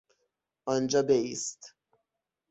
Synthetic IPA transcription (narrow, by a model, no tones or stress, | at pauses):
ɒnd͡ʒɒːbeist̪